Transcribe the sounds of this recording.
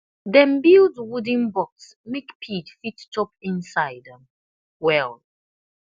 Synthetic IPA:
ðɛ̃nbildwudĩnbɔks | mekpʰidfittʰɔpĩnsaɪdɛ̃m | wɛl

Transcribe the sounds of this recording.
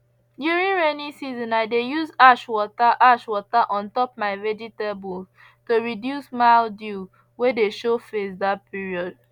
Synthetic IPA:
djuɹĩnɹɛnisizɔ̃naɪdejuzaʃwɔtaʔaʃwɔtaʔɔ̃ntɔpmaɪvɛd͡ʒitebul | tuɹidjusmaldu | wedeʃofesðat̚piɹiɔd̥̚

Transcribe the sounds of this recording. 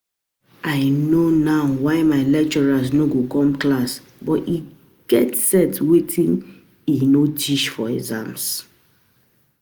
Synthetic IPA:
ʔaɪnonaʊwaɪmaɪlɛk̚t͡ʃɔɹasnoɡokɔ̃mklas | bɔti | ɡ̥ɛtsɛtwetʰĩn | inot͡ʃiʃfɔizã̰ms

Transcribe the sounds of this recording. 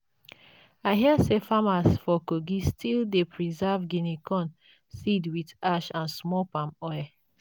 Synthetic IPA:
aɪɦiasefamasfɔkoɡistʰildepʰɹizɛvɡinikʰɔ̃n | sidwidaʃãnsmɔpãmɔj

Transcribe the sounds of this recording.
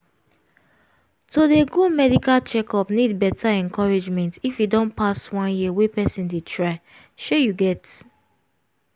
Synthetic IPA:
todeɡomɛdikalt͡ʃɛkɔpnidbɛtʰaɛ̃nkɔɹed͡ʒmɛ̃ntifidɔ̃npaswãnjiwepɛsĩndetʰɹaɪ | ʃojuɡɛt

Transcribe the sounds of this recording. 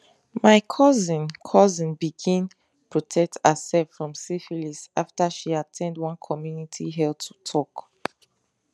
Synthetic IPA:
maɪkʰɔzĩnkʰɔzĩnbiɡĩn | pʰɹɔtʰɛk̚təsɛlfɹɔ̃msifilisaftaʃiatʰɛ̃ndwʌ̃nkʰɔmjunitʰiɦɛldtʰu̥tʰɔk

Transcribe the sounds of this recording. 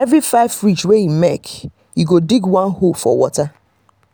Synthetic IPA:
ɛvɾifaɪvfɹit͡ʃweĩnmɛk | juɡodiɡwãnhofɔ̰wɔta

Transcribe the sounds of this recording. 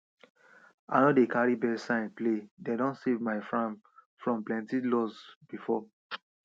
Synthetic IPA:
a̰nɔdekaɹibɛsãɪ̃nplededɔ̃nsevmaɪfɹãm | fɹɔ̃mplɛ̃ntilɔsb̥ifɔ

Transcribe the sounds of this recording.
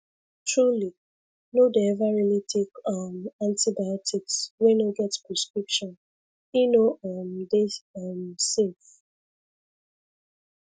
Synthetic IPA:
tɹuli | nodeɛvaɹilitʰekʌmãntibajɔtʰikswɛ̃noɡɛtpɹɛskɹipʃɔ̃n | inoʔʌmdeʌmsef

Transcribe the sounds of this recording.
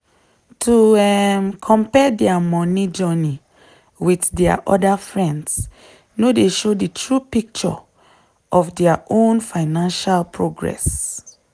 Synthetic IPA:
tʰuɛmkʰɔ̃mpɛdɛamɔnid͡ʒɔni | witdɛa̰ʔɔdafɹɛ̃nds | nodeʃoditʰɹupik̚t͡ʃɔ̰ | ʔɔfdɛaʔõnfaɪnãnʃalpʰɹoɡɹɛ̰s

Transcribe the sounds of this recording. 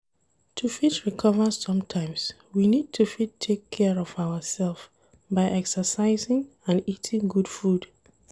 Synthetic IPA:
tʰufitɹikʰɔvəzsʌ̃mtʰãɪ̃ms | winid̚tʰufitʰekʰːɛɹɔvaʊəsɛlˠf | baɪʔɛksəsaɪzɪ̃ŋ | ãnitʰɪ̃ŋɡudfud

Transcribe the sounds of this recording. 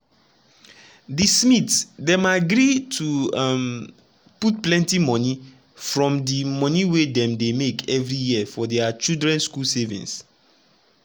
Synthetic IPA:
dismitsdɛ̃maɡɹitʰuam | put̚plɛ̃ntimɔ̃ni | fɹɔ̃mdimɔ̃niwedɛ̃mdemekʰɛvɹijiəfɔdɛat͡ʃildɹɛ̃nskulsɛvḭ̃ns

